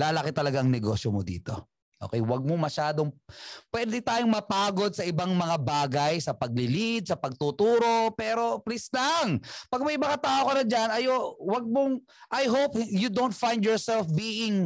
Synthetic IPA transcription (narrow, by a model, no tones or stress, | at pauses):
laːlɐkɪt̪ɐlɐɡaʔɐŋnɛɡo̞ːsjomod̪ḭːt̪o̞̰ | ʔoːkɛjwɐɡ̚momɐʃaːd̪oŋpwɛːd̪ɛt̪aːjoŋmɐpaːɡo̞d̪̚sɐʔɪbaŋmɐŋabaːɡɐjsɐpɐɡ̚lɪlid̪̚sɐpɐɡ̚t̪ut̪uːɾo̞pɛːɾo̞plɪslaŋpɐɡ̚mɐjmɐkɐt̪aːʔokɐnɐd͡ʒanɐjowɐɡ̚moŋ | ʔɐjɦopjud̪ownt̪̚fajnd̪jɔɹsɛlfbiːʔɪŋ